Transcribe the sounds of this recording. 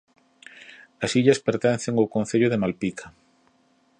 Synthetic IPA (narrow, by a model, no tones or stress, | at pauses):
ɐsiʎɐspeɾt̪ɛn̟θeŋowkõnθeʎʊðemalpikʰɐ̥